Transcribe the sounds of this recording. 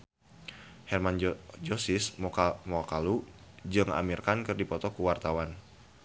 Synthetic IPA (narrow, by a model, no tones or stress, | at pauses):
hɛrmand͡ʒosɪsmɔkalud͡ʒəŋa̰mirkankərdipɔt̪ɔkuwart̪awan